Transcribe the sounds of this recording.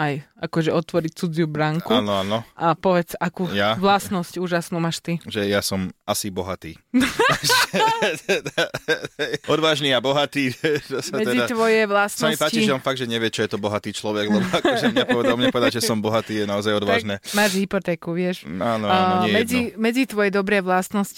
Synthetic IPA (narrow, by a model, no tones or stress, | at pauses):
ajakɔʒɛɔt̪ʋɔɾict͡sud͡ziubɾaŋkuaːnɔaːnɔʔapɔʋɛt͡sakuːjaʋlasnɔscuːʒasnuːmaːʃt̪iʒɛjasɔmasibɔɦat̪ḭː | t̪ɛd̪ | ɛjɔd̪ʋaːʒniːabɔɦat̪iːt͡ʃɔsmaɛɛd͡zid̪at̪ʋɔjɛʋlassamɔmippaːct͡ʃiiʒɛɔnfaɡ̪̚ʒɛɲɛʋɪɛt͡ʃɔjɛt̪ɔbɔɦat̪iːt͡ʃlɔʋɛɡlɛbɔkʒɛmɲɛpɔʋɛd̪almɲɛpɔʋɛd̪aʒɛsɔmbɔɦat̪iːjɛnaɔzajɔd̪ʋaːʒnɛːmaːʒɦipɔt̪ɛːkuʋɪɛʃaːnɔaɲɛmɛd͡zimɛd͡zit̪ʋɔjɛd̪ɔbɾɛːʋlasnɔsci